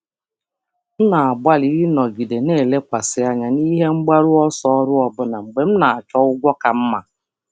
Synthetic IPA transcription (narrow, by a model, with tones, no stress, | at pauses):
m̩˦na˨a˨ɡ͡ba˦li˦i˦nɔ˨ɡi˨de˨neː˦˨le˦kʷa˨sɪ˦a˦ɲa˨ni˦ɦe˦ŋ͡m̩˦ɡ͡ba˦ɾʊ˦ɔ˦sɔ˦ɔ˦ɾʊ˦ɔ˨bʊ˦na˨ŋ͡m̩˨ɡ͡be˨m̩˦na˨a˨t͡ʃɔ˦ʊ˦ɡʷɔ˦ka˨m̩˦ma˨